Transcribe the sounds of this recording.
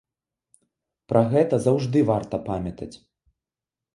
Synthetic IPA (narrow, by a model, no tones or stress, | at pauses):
pɾʔɐɣɛt̪ɐzawʐd̪ɨvart̪ɐpamʲɐt̪ɐt͡sʲ